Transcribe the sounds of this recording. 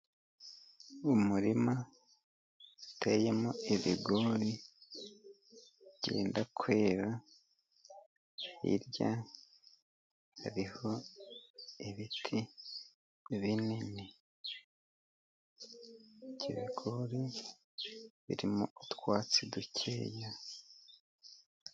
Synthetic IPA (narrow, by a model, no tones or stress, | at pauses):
umuɾima | ute̞ːjemoiβiɡoɾi | ɟḛːndakwe̞ːɾa | ḭɾja | haɾiho̞ | iβitʰi | βinini | ɟiβiɡoɾi | βḭɾimoʔutwaːt͡siducʰḛːja